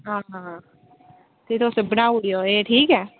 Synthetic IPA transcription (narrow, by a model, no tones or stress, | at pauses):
ɦãːɦã | t̪et̪ʰoːsebənaːʋuɽijoeːʈʰiːkɦɛː